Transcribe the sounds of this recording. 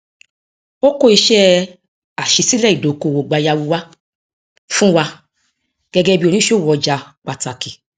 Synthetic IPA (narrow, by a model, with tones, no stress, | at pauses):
o˦ko˦˨i˧ʃɛ˦ | a˨ʃi˧si˦lɛ˦˨i˨do˨ko˧˨wo˨ɡ͡ba˨˧ja˧wu˧wa˦ | fũ˦wa˧ | ɡ̥ɛ˦ɡɛ˦bi˦o˧nĩ˨˦ʃo˦˨wɔ˨˧d͡ʒa˧k͡pa˨ta˨ki˨